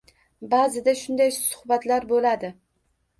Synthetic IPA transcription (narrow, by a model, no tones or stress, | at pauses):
bazɪd̪aʃʊnd̪ajsʊ̥hbat̪laɾbolad̪ɪ